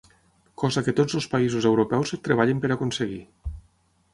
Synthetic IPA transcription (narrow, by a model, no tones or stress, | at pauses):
kɔzakət̪od͡zəlˠspaizuzewɾopɛwzt̪ɾeβaʎəmpəɾakonseɣḭ